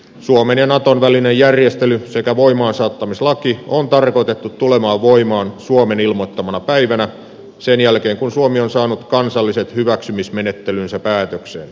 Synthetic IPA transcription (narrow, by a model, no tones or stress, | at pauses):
suomenjɑnɑt̪onʋælinejjærjest̪elysekæʋoimɑːnsɑːt̪ːɑmislɑkiont̪ɑrkot̪et̪ːut̪t̪ːulemɑːʋʋoimɑːnsuomenilmot̪ːɑmɑnɑpæiʋænæ | senjælkeːŋkunsuomionsɑːnut̪kɑnsɑlːiset̪hyʋæksymismenet̪ːelynsæpæːt̪øksḛn